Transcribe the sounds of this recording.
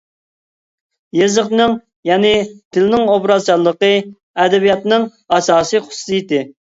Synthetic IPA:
jezəχnɨŋ | jɛːnɪt̪ʰɪlɪnɪŋobɾɑzt͡ʃɑlˠːəqə | ɛd̪ɛbijɑt̪nɨŋ | ɑsɑːsɨχʊ̥su̥sɨjit̪ɪ

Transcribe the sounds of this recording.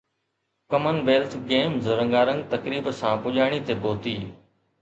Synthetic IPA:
kəmənʋeːlt̪ʰɡeːmzɾə̃ŋɡaːɾə̃ŋɡt̪ɐkɾiːbsãːpʊʄaːɽ̃it̪eboːt̪iː

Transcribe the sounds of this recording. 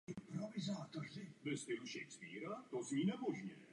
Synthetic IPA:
ɪmpɾɔvɪzaːt̪orɪvɪst̪ɪluʃɛjkspiːɾat̪ozɲiːnɛmoʒɲɛ

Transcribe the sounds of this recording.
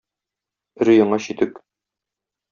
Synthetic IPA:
ɾɵ̆jɤ̆ɴɑɕit̪ɘk

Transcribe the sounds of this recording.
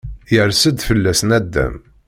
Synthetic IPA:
jəɾsəd̪fəlːæsnæd̪ːæ̰m

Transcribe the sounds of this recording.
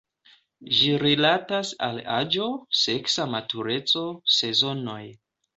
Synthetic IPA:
ʒiɾilatasa̰lad͡ʒo̞se̞ksamatuɾe̞t͡so̞se̞zo̞no̞j

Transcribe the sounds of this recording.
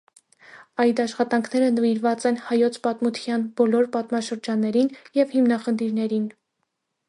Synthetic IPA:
ɑjd̪ɑʃχɑt̪ɑŋkʰnɛɾənəviɾvɑt͡sɛnhɑjɔt͡sʰpɑt̪mut̪ʰjɑnbɔlɔɾpɑt̪mɑʃəɾd͡ʒɑnːɛɾinjɛvhimnɑχənt̪ʰiɾnɛɾin

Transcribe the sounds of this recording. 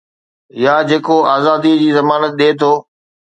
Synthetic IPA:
jaːd͡ʑeːkoaːzaːd̪id͡ʑiːzɐmaːnət̪̚ɗeːt̪ʰoː

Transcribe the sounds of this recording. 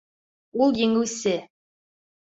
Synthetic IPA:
ulˠjɘ̆ŋɘ̆wsɘ

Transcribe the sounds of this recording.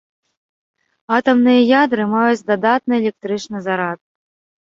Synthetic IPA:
at̪ɐmnɨjɐjad̪ɾɨmajut͡sʲd̪ad̪at̪nɨɛlʲɛk̚t̪ɾɨt͡ʂnɨzaɾat̪̚

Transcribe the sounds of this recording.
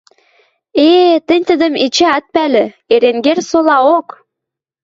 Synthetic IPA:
et̪ə̆nʲt̪ə̆d̪ə̆mit͡ɕeɑt̪̚pælɘ̆ | eɾeŋɡersolɑok

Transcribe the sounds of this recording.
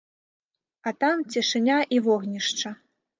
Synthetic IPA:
ɐt̪amt͡sʲɛʂɨnʲaʔivɔɣnʲiʂt͡ʂɐ

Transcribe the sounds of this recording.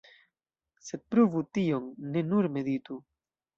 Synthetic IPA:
se̞d̪̚pɾovut̪ioŋːe̞nuɾme̞d̪it̪u

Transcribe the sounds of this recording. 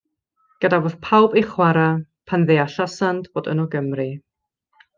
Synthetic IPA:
ɡ̥ədavoð̥pʰawbejχwaɾapʰanðeaɬasantv̥oːdə̰nɔɡəmrɨ

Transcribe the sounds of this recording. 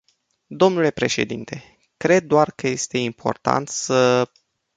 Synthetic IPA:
d̪o̞mnule̞pɾe̞ʃe̞̰d̪int̪ʰe̞ | kɾe̞d̪̚ːoarkəje̞st̪e̞impʰo̞̰rt̪a̰nt̪sə

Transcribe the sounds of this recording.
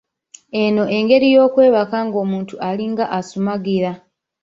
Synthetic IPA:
eno̞ʔe̞ŋɡe̞ɾijo̞ːkwe̞ːβakaŋɡo̞ːmuːntuʔaliŋɡaʔasumaɡiɾa

